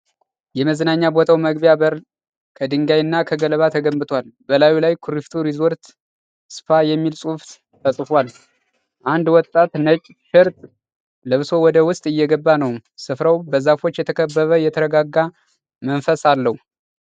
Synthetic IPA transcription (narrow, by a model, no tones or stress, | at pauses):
jɛməzənaɲːabot̪ʰawməɡbjabəɾ | kʰəd̪ɨŋɡajɨnːakʰəɡələβat̪ʰəɡəmbɨt̪ʰwalbəlajulajkʰuɾift̪ʰuɾizoɾt̪ | sɨ̥fajɛmːilsʼuft̪ | fʰəsʼɨfwal | ʔand̪wɔt̪ʼːat̪nət͡ʃʼʃɛɾt̪ʼ | ləβso̞wɔd̪əwʊst̪ʼɨjːɛɡəbːanəwsɨfɾəwbəzafo̞t͡ʃːjɛt̪ʰəkʰəbːəβəjɛt̪ʰəɾəɡaɡːa | mənfəsalːəhu